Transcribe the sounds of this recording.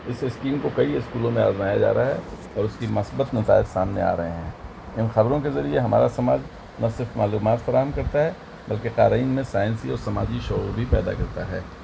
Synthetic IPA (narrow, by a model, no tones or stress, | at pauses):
ɪsɪskiːmkokɐiɪskuːlõmẽa̰ːzmaːjad͡ʒa̰ːɾaɦɛ | ɔːɾʊskimɐsbət̪nɐt̪a̰ːɪd͡ʒsaːmnḛa̰ːɾɐɦeɦɛ̃ː | ɪnxɐbɾõkezɐɾieɦɐma̰ːɾasɐmaːd͡ʒ | nɐsɪɾfmaːluːmaːt̪fɐɾaːɦəmkɐɾt̪aɦɛ | bɐlkeqaːɾaiːnmẽsaːɪnsiɔːɾsɐmaːd͡ʒiʃɔɦɾbʱipɛːd̪a̰kɐɾt̪aɦɛ̰ː